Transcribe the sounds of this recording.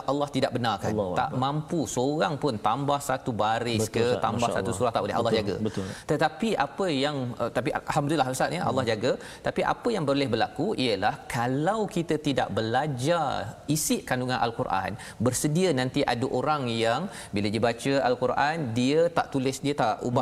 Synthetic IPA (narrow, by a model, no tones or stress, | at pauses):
ʔalːɑht̪idaʔ̚bənarka̰nt̪a̰ʔmãmpusoɣaŋpʊnt̪ambahsat̪ubaɾɪsk̪ət̪ammbasa̰usuɾat̪aʔulɪ̰ɦa̰lːɑhd͡ʒaɡə̰bət̪ʊt̪ət̪apiʔapəjaŋət̪apiaalɦamdulilaɦsaʔɲəʔa̰lːɑhd͡ʒaɡə | t̪apiʔa̰pəjaŋbəɾolɛhbərlakuiəlahkalawkit̪ət̪ida̰ʔbəlad͡ʒarisɪʔkanduŋãnʔa̰lkurʔa̰n | bərsədiənãnt̪iʔadəʔoɾaŋjaŋ | bilədiəbat͡ʃəalkurʔandiət̪aʔt̪ulɪsdiət̪aʔṵba